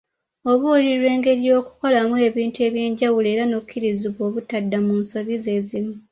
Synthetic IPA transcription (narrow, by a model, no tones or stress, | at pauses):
o̞βuliɾwe̞ːŋɡe̞ɾjo̞ːku̥ko̞lamue̞βiːntue̞βje̞ːɲɟawule̞ːɾanoβucʰːiɾiziβwo̞ːβutadːamunso̞βize̞ːzimu